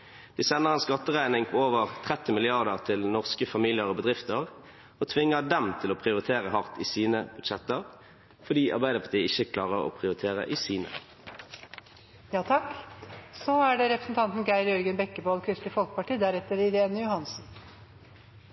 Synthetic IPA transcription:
d̪̥iːsɛnəʁɛnskɑt̪ːəʁæɪnɪŋpʰoːoːʋəʁt̪ʰʁɛt̪ːɪmɪlɪɑʁd̪əʁt̪ʰɪlnɔʁskəfɑmilɪəʁoːbəd̪ʁɪft̪əʁ | oːt̪ʰʋɪŋːəd̪ɛmt̪ʰɪloːpʰʁɪʊʁɪt̪ʰeːʁəhɑʁt̪iːsiːnəb̥ʉd̪̥ʃɛt̪əʁ | fɔɖ̪iːʔɑ̰ʁbæɪd̪əpʰɑt̪ʰiːəɪçəkʰlɑːʁəʁo̰ːpʰʁɪʊʁɪt̪ʰeːʁə̰ʔiːsiːnə̰ | jɑːt̪ʰɑksɔæɖɛɾɛpɾəsn̩t̪ʰɑnt̪nɡæɪɾjœɾɡənbɛkːəboːlkʰɾɪslɪfɔlkəpɑʈiːd̪æɾɛt̪ːəɾɪɾeːnjʊhɑnsn̩

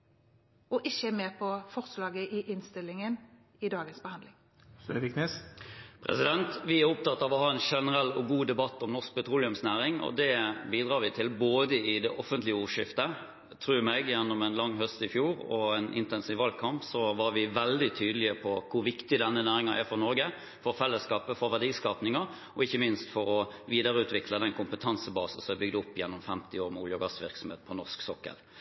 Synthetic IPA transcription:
ɔʔɪçəmeːpʰɔfɔɾslɑːɡəʔɪʔɪnst̪ɪlːɪŋən | ɪd̪ɑːɡənsb̥əhɑnd̪lɪŋ | sœʋɪkʰneːspʰɾɛ̰sɪd̪ɛnt̪ʋɪæɾʊpt̪ɑt̪ːɑʋɔhɑːɛnʂɛnəɾɛlːɔɡuːd̪ɛbɑt̪ːɔmnɔsk̚pɛt̪ʰɾuːlɪʉmsnæːɾɪŋɔ̰d̪ɛbiːd̪ʁɑːɾʋɪt̪ʰɪlboːd̪əɪd̪ɛʔɔfənt̪lɪəuːʂɪft̪ə | t̪ʰɾʉːɾmɛɡjɛnːɔmɛnlɑŋːɦœst̪ɪfjuːɾɔɛnʔɪ̰nt̪ɛnsiːʋɑlkʰɑmpsɔʋɑɾʋɪʋɛld̪ɪt̪ʰyːd̪əlɪəpʰɔkʰʊɾʋɪkt̪ɪd̪ɛnːənæːɾɪŋɑʔæ̰ɾfɔʁnɔɾɡə | fɔɾfɛlːəskɑːpəfɔɾʋæʁɖiːskɑp̪nɪŋɑ | ɔɪçːəmɪnst̪fɔɾɔʋiːd̪əɾəʉːt̪ʰʋɪkʰləd̪ɛnkʰʊmpət̪ʰɑnsəbɑːsən̩sɔmæbʏɡd̪ɔpːjɛnːɔmfɛmt̪ɪoːɾmuːljʊɡɑst̪ʋɪ̰ɾksɔm̩hḛːt̪̚pʰɔnɔʁsksɔkːə̰l

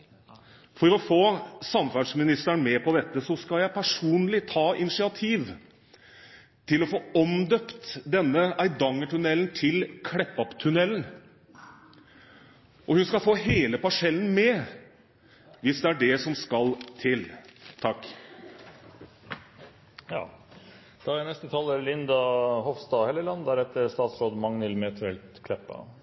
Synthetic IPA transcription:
fɔɾɔfoːsɑmfæɖʂmɪnɪst̪æɳmɛpʰɔd̪ɛt̪ːəsɔskɑljæɪpʰæʂuːnlɪt̪ʰɑːʔɪnɪʂɪɑt̪ʰiːʋ | t̪ʰɪlɔfoːɔmd̪œpt̪d̪ɛnːəæɪd̪ɑŋːəʈʉnɛlnt̪ʰɪlkʰɽɛpːɔpt̪ʰʉnɛlːən | ʔɔhʉnskɑfoːɦeːləpɑʂɛlən̩mɛ | ʋɪsd̪ɛæɖɛsɔmskɑlt̪ʰɪlt̪ʰɑkː | jɑ̰ː | d̪̥ɑːænɛst̪ət̪ʰɑːləɾlɪnd̪ɑhɔfst̪ɑːhɛlːəlɑnd̪æɾɛt̪ːəɾst̪ɑːt̪sɾoːd̪mɑŋnɪlmɛːt̪ʰʋɛlt̪kʰlɛpːɑ̰

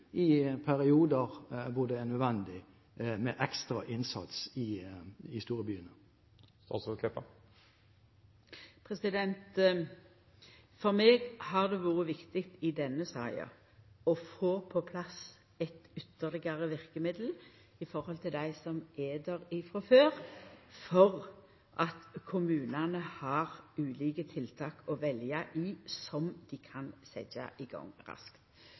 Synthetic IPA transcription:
ɪpʰæʁɪuːd̪əʁʋʊd̪ɛænœd̪ʋɛnd̪ɪ | mɛʔɛkst̪ɾɑʔɪnsɑ̰t̪sɪɪst̪uːɾəbyːənə | st̪ɑ̰t̪sɔkʰlɛpːɑ | pʰʁɛsɪd̪ɛnt̪ | fɔʁmeːɡhɑʁd̪ɛʋuːʁəʋɪkt̪ɪkt̪ɪd̪ɛnːəsɑ̰ɪɑ̰ | ɔfoːpʰɔpʰlɑs | ɛt̪ʏt̪ːəʁlɪɡɑʁəʋɪʁkəmɪd̪l̩ | ɪfɔɾhɔlt̪ʰɪld̪æɪsɔmeːd̪əʁɪfɾɔføːʁfɔʁ | ʔɑt̪kʰʊmʉːnɑnəhɑʁʉːliːkət̪ʰɪlt̪ʰɑːkɔʋɛljɑʔɪsɔmd̪̥ɪkʰɑnsɛ̰d͡ʒɑ̰ʔɪɡɑ̰ŋʁɑ̰skt̪

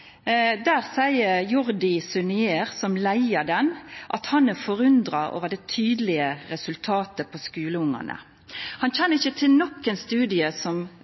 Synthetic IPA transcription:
d̪æːʁsæɪəɾjʊɾd̪ɪsʉnɪeːʁsɔmlæɪəd̪ɛnʔɑ̰t̪hɑnæfɔʁʉnd̪ɾɑo̰ːʋəd̪ɛt̪ʰyːd̪əlɪəɾɛsʉlt̪ʰɑːt̪əpʰɔskʉːləʊŋːə̰nə̰ | hɑnçɛnːəɪçət̪ʰɪlnɔkːɛnst̪ʉːd̪ɪəsɔm

